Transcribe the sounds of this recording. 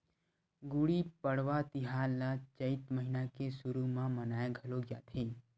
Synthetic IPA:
ɡuɽipəɽ̤ʋat̪iɦalat͡ʃəɪt̪məɦinakesuɾumãmənaːeɡʱəloɡja̰t̪ʰeː

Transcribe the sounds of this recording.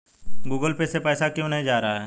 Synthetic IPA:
ɡuːɡəlpesepɛːsakjõːnɐɦĩd͡ʒaːɾaɦaɦɛː

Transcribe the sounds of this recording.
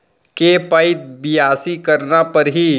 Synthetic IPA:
kepaɪt̪̚bɪjaːsikɐɾnapɐɾɦi

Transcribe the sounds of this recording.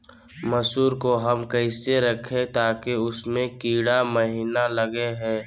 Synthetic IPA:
mɐsuːɾkoɦɐmkɐɪseɾɐkʰẽt̪aːkeʊsmẽkiːɽaməɦiːnalɐɡeɦɛ̃ː

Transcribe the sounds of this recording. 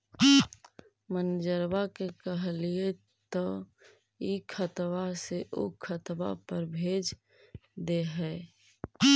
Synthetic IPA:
mənd͡ʒəɾbakekəɦlie | t̪ɔ | ikʰət̪waseʔo̰kʰət̪ba̰pəɾbʱeːd͡ʒ | d̪eɦɛː

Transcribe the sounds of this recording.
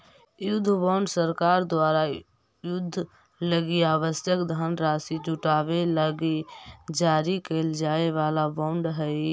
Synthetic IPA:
jʊd̪ʱːbãʊ̃ɳɖsəɾkaːɾd̪waːɾa | jʊd̪ʱː | ləɡiaːʋəsjəkd̪ʱənɾaːsid͡ʒʊʈaːʋeləɡed͡ʒaːɾikeld͡ʒaːeʋaːlabãʊɳɖɦɛ

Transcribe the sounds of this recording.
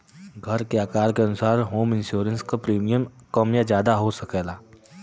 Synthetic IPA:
ɡʱɐɾkeaːkaːɾkeɐnʊsaːɾɦoːmɪ̃nʃjuːɾənskapɾiːmijəmkəmjad͡ʒjaːd̪aɦosɐkɛːlaː

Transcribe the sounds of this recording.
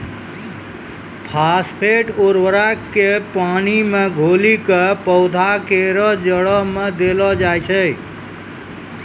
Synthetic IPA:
pʰaspʰeʈoɾʋəɾakepanimeɡʱolikəpɔʊd̪ʱakeɾɔd͡ʒəɽɔɦmed̪elɔd͡ʒajt͡ʃʰə

